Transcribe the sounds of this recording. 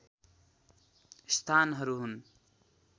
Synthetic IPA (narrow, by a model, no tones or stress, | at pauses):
st̪ʰanɦʌɾuɦun